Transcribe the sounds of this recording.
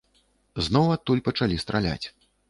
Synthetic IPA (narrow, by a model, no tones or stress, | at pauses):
znɔwɐt̪ːulʲpɐt͡ʂalʲist̪ɾalʲa̰t͡sʲ